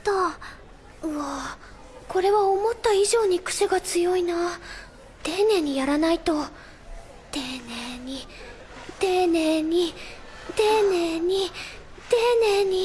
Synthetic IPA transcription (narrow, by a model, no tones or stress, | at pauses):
t̪a | ɯa | ko̞ɾe̞βaomo̞t̪ːaiʑo̞ːɲ̟ikɯ̟̥seɡat͡sɨjo̞ina | t̪e̞ːnẽ̞ːɲ̟ijaɾanait̪o̞ | t̪eːneɲ̟i | t̪e̞ːneɲ̟it̪eːneɲ̟i | t̪eːneɲ̟i